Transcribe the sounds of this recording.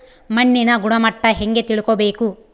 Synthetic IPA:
mɐɳːinɐɡuɽɐmɐʈːɐɦeŋɡet̪iɭukobeːku

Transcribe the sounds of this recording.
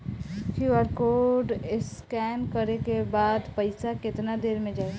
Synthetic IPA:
fʰjuəɾkoːɖɪskɛːnkɐɾekebaːd̪pɐɪsakɪt̪nad̪eːɾmẽd͡ʒaːe

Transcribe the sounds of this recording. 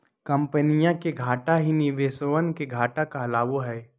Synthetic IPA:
kɐ̃mpənijãkeɡʱaːʈaɦiniʋeːsoʋənkeɡʱaːʈakaɦlaːʋoɦɛː

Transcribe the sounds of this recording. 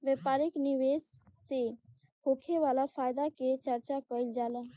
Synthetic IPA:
ʋɛpaːɾɪkniʋeːsːe | hoːkʰeʋaːlapʰaːjd̪aket͡ʃəɾt͡ʃakɔild͡ʒaːlã

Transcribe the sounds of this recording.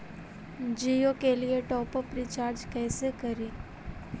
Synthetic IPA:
d͡ʒiːokelieʈɔːpəpɾiːt͡ʃaːɾd͡ʒkɛːsekɐɾiː

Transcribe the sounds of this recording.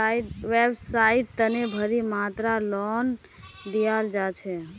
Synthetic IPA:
ʋebsaiʈt̪ənebʱəɾimat̪ɾalɔn | d̪ijald͡ʒat͡ʃʰɛ

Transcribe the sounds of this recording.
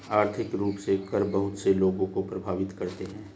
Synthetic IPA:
aːɾt̪ʰɪkɾuːpsekɐɾbɐɦʊt̪seloːɡõkopɾɐbʱaːʋɪt̪kɐɾt̪eɦɛ̃ː

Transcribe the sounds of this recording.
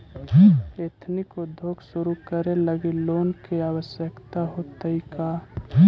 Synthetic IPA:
et̪ʰnikod̪ʱoːkʰsuɾukəɾeləɡiloːnkeaːwəsjəkt̪aɦot̪əika

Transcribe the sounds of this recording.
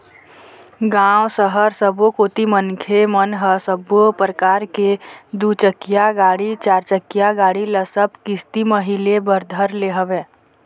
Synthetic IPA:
ɡãːwsəɦəɾsəbokoːt̪imənkʰemənɦəsəbopɾəkaːɾked̪ut͡ʃəkijaɡaːɽit͡ʃaːɾt͡ʃəkːijaɡaːɽiləsəbkɪst̪iməɦɪlebəɾd̪ʱəɾleɦəʋẽː

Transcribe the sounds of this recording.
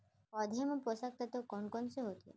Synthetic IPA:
ɔd̪ʱempɾosak̚t̪ʰat̪okɔnkɔnseɦot̪iḛ

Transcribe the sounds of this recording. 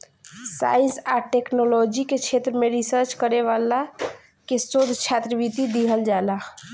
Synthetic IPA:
sa̰insaʈeknolɔd͡ʒiket͡ʃʰet̪ɾəmeɾisəɾt͡ʃkəɾeʋala | kesod̪ʱt͡ʃʰat̪ɾəbit̪id̪iɦəld͡ʒala

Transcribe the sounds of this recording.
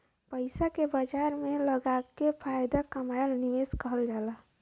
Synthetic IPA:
pəɪsakebəd͡ʒaɾmeləɡakepʰajd̪akəmajlnimeskəɦəld͡ʒala

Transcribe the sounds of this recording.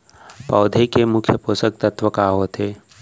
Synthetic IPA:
pɔːd̪ʱekemʊkʰjəpoːsək̚t̪ət̪ʰʋəkaɦoːt̪ʰeː

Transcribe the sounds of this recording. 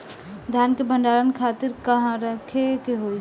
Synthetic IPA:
d̪ʱjaːnkebʱɐ̃ɳɖaːɾənkʰaːt̪ɪɾkɐɦãɾɐkʰekeɦo

